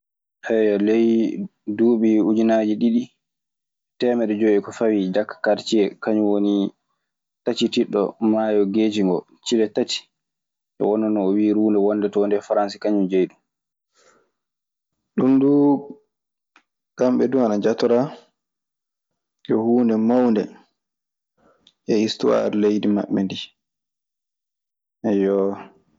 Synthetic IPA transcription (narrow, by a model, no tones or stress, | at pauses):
ʔɛjɔlejduːɓiud͡ʒinaːd͡ʒiɗiɗi | tɛːmɛɗɛd͡ʒɔjɛkɔfawid͡ʒakːḁkːaɾt͡ʃiɛkaɲuwoni | tat͡ʃitiɗːɔ̰maːjɔɡeːd͡ʒiŋɡɔ | t͡ʃilɛtati̥ | ɛ̰wɔnːɔnɔːwiɾuːndɛwɔnːdɛtɔndɛfaɾansikaɲumd͡ʒejɗum | ɗunduː | ɡamɓɛduanad͡ʒatɔɾa | ʔɛhuːndɛmawndɛ̰ | ʔɛistuwa̰ɾlejdima̰ɓːɛndi | ʔɛjɔ